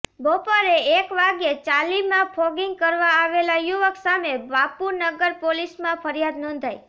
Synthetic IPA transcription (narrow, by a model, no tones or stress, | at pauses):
bɔpaɾeekʋaɡjet͡ʃalimãpʰɔɡiŋɡ̚kəɾʋãaʋelajuʋəksameʋapuɾnəɡəɾpolismãpʰəɾjad̪nɔ̃nd̪ʱaj